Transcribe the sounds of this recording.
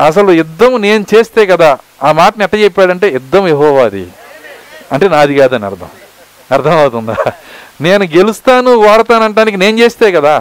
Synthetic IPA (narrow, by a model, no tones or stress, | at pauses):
ɐs̬ɐluid̪ːɐmne̞ːnut͡ʃe̞ːst̪eːkɐd̪aːaːmaːʈɐniɛʈːaːt͡ʃɛpːaːɽɐɳʈe̞ːid̪ːɐmjeɦɔːʋaːd̪ḭ | ɐɳʈe̞ːnaːd̪iɡaːd̪ɐnɐ̰ɾd̪ʰʱɐ̰m | ɐɾt̪ʰɐmɐwut̪und̪ane̞ːnuɡelust̪aːnuʋaːɽt̪aːnɐɳʈaːnik̬ineːnt͡ʃe̞ːst̪e̞ːkɐd̪aː